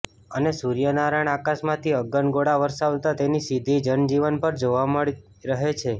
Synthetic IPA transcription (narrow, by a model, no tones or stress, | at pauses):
ənesuɾijənaɾaɳ̃akasmãt̪ʰiəɡəɳɡoɽaʋəɾʃaʋt̪at̪enisid̪ʱid͡ʒənd͡ʒiʋənpəɾd͡ʒoʋaməɭi | ɾəɦet͡ʃʰe